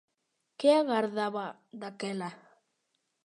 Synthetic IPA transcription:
keaɣaɾðaβa | d̪akela

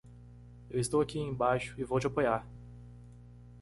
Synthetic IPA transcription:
ewɪst̪owakiẽj̃bajʃʊ̥ɪvowt͡ʃɪapojaɾ

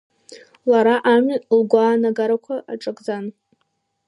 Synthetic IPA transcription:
laɾaʔamlɡʷaːnaɡaɾakʷʰaʔaʈ͡ʂʼɨkʼd͡zan

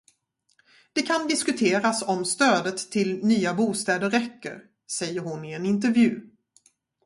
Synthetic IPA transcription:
d̪̥ɛkʰand̪ɪskɵt̪ʰeːɾasɔmst̪øːd̪ət̪ʰːɪlnyːabuːst̪ɛːd̪əɾːɛkːə̰ɾ | sɛjːəɾhʊnɪɛnɪnt̪̬əɾvjʉ̟ː

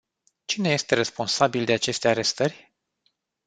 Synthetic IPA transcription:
t͡ʃine̞je̞st̪e̞ɾe̞spo̞nsabild̪e̞at͡ʃe̞st̪e̞aɾe̞st̪ərʲ

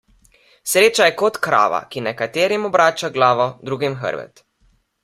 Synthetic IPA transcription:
sɾeːt͡ʃajɛkɔt̪kɾa̰ːʋa̰kinɛkat̪eːɾimɔbɾaːt͡ʃaɡlaːʋɔd̪ɾuːɡimxə̰ɾbɛ̰t̪

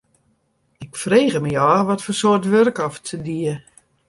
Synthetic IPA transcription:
ɪkfreːɣəməjɔːʋɔtfosoərtʋørkɔftʰədiə

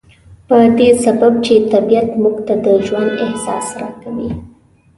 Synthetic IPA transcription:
pəd̪esabab̚t͡ʃet̪abijat̪muɡt̪ad̪əʒwand̪ɪhsɑ̰sɾɑkawi

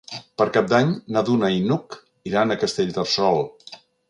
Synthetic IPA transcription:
pəɾkap̚d̪aɲnaðunəinuk | iɾanəkəst̪eʎʲd̪əlsɔlˠ

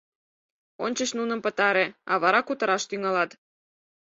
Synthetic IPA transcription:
onʲt͡ɕəʃnunəmpət̪ɑɾeɑβɑɾɑkut̪əɾɑʃt̪yŋɑlɑt̪

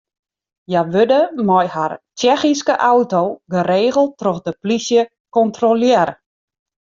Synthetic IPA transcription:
jaʋødəmɔjhart͡ʃɛxiskəʔawtoɡəɾeːɣəlˠtrɔxdəplisjə | kɔntroljɛɾə

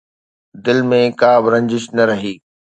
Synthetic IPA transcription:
d̪ɪlmẽkaːbɪɾɐ̃ɲd͡ʑɪʃnɐɾɐɦiː

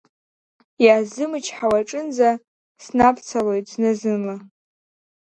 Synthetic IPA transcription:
jaaːzɨmɨt͡ʃʰħawaʈ͡ʂʼɨnza | snapʰt͡sʰalojtʼznɨzɨnla

